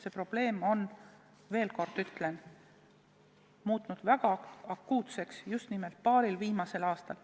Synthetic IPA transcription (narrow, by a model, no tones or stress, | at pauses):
se̞pro̞b̥le̞ːmo̞n | ve̞ːlko̞rd̪̥yt̪ˑle̞n | muːt̪ˑnud̪̥væɡ̥ɑɑkːuːt̪se̞ksjust̪nime̞lt̪̚pɑːɾilviːmɑse̞lɑːst̪ɑl